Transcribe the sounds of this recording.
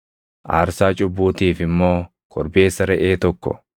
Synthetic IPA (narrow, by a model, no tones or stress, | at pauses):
ʔaːɾsaːt͡ʃʼʊbːuːt̪iːfɪmːo̞ː | kʰɔɾbe̞ːsːɐɾɛʔeːt̪ɔkːɔ̰